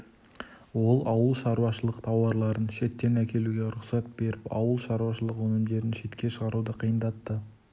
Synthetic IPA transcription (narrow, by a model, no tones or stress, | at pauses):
wo̞lˠɑwəlˠʃɑɾuwɑʃəlˠəqt̪ʰɑwɑɾlˠɑɾənʃe̞t̪ːe̞nækʲʰe̞luɡʲe̞ɾʊqsɑt̪̚be̞ɾɪpɑ̰wəlˠʃɑɾuwɑʃəlˠəqwɵnɪmd̪e̞ɾɪnʃe̞t̪kʲe̞ʃəʁɑɾud̪əqʰijənd̪ɑt̪ːə